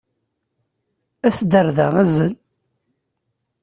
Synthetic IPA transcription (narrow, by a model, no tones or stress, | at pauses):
æsd̪əɾðæŋæzəl